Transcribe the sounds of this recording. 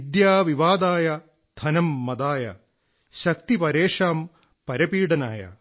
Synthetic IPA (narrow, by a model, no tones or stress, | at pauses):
d̪jaːʋiʋaːd̪aːjɐ | d̪̥ʰʱɐnɐmːɐd̪aːjɐ̰ | ɕɐk̚t̪ipɐɾeːʂaːm | pɐɾɐpiːɽɐna̰ːjɐ̰